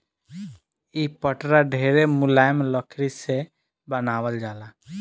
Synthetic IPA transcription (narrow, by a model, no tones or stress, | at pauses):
ipəʈɾaɖʱeɾemʊlajmləkʰɾise | bənaːwəld͡ʒaːla